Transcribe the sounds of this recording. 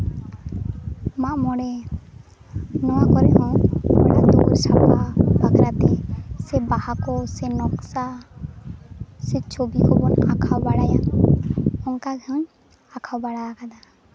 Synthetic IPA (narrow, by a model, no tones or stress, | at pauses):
maʔmɔɽɛ | nɔwakɔɾɛʔɔ̃bɔ̰ɽad̪ɔkɾsapabakɾat̪isɛbahakɔsɛnɔksa | sɛt͡ʃobikʰɔbɔnakʰawbaɽaja | ɔŋkaɡʱɛɔ̃ɲ | akʰawbaɽaakʰad̪a